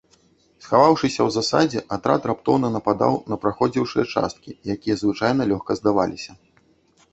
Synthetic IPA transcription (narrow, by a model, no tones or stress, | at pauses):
sxavawʂɨsʲɐwzasad͡zʲɛʔat̪ɾa̰t̪ɾapt̪ɔwnɐnɐpad̪a̰wnɐpɾaxɔd͡zʲiwʂɨjɐt͡ʂa̰st̪̚kʲijakʲijɐzvɨt͡ʂajnɐlʲɔxkɐzd̪ava̰lʲisʲɐ